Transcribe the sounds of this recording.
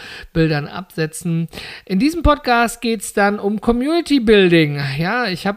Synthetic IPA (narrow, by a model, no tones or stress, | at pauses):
b̥ɪldɐnʔa̰pz̥ɛt͡sn̩ʔɪndiːzəm̩pʰɔtkʰaːst̚ɡ̥eːtsd̥anʊmkʰɔmjuːnɪtʰibɪldɪŋjaːɪçhaːb